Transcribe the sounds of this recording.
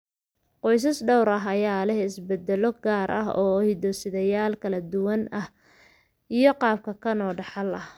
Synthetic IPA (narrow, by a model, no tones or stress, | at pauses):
qɔjs̬ɐsɖɔwɾɐɦɐjaːlɛhɪsbɛd̪ɛlɔɡaːɾʔɐ̰ɦɔːhɪd̪ɔsɪðɐjaːlkʰɐlɐd̪ʊwɐnɐh | ʔijɔqɑːb̚kʰɐkʰɐnɔːɖɑħɑlɐh